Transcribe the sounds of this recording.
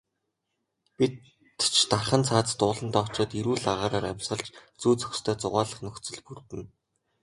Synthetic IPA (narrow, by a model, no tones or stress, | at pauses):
pit̪ | t͡ɕʰt̪arχə̆nt͡sʰaːt͡st̪ʊːɮə̆nt̪ɔt͡ɕɔːt̪iɾuːɮaʁaːɾaːɾamʲsχə̆ɮt͡ɕt͡suːt͡sɵ̥kst̪ʰœːt͡sʊʁaːɮə̆χnɵkt͡sɵ̆ɮpurt̪ɘ̆n